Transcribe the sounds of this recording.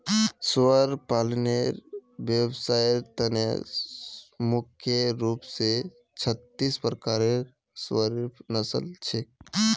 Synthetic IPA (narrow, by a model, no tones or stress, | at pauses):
swəɾpaːlneɾbjəbsajt̪ənḛ | mʊkʰjeɾupse | t͡ʃʰət̪ːispɾəkaːɾe | swəɾpʰnəsə̰lt͡ʃʰe